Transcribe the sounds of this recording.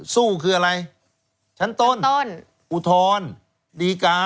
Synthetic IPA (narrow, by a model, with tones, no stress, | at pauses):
suː˥˩kʰɯː˧ʔa˧ɾa˧j | t͡ɕʰa˦˥nt̪o˧˥˨nto˧˥n | ʔu˧˩t̪ʰɔː˧˥n | diː˧kaː˧